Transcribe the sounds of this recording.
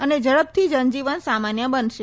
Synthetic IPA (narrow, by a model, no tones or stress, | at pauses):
əned͡ʒəɽəb̚t̪ʰid͡ʒənd͡ʒiʋənsamanjəbənʃe